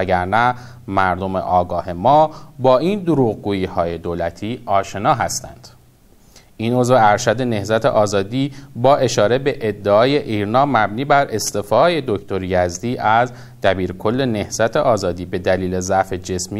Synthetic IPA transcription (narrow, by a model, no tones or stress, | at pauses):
æɡæɾnæ | mæɾd̪o̞mḛʔɒːɡɒːɦe̞mɒːbɒːind̪oɾuːɣɡuːjiːhɒːje̞d̪oːlæt̪ʰiːɒːʃe̞nɒːɦæst̪æ̰nd̪̥ | ʔiːno̞zveæɾʃæd̪e̞ne̞hzæt̪ʰe̞̰ʔɒːzɒːd̪iːbɒːʔe̞ʃɒːɾe̞be̞ʔed̪ːeɒːje̞ʔiːɾnɒːmæbniːbæɾʔe̞st̪efɒːje̞d̪ocʰt̪ʰo̞ɾjæzd̪iːʔæz | d̪̥æbiːɾkʰo̞lːe̞ne̞hz̥æt̪ʰeʔɒːzɒːd̪iːbe̞d̪æliːle̞zæfe̞d͡ʒe̞smi